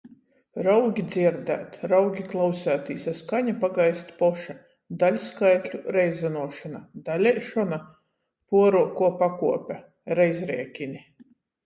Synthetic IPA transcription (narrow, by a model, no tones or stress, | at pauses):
ɾawɡʲid̪ziɾd̪æ̰ːt̪ɾawɡʲiklˠawsæːt̪iːsaskaɲapaɡajst̪pɔʃa | d̪alʲskajt̪lʲuɾɛjzanuɔʃanad̪alʲɛjʃɔna | puɔɾuːkuɔpakuɔpʲa | ɾɛjzɾɛ̰ɛkʲinʲi